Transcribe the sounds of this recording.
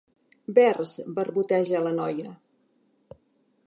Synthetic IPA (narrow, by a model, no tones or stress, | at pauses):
bɛrzbərβut̪ɛʒələnɔjə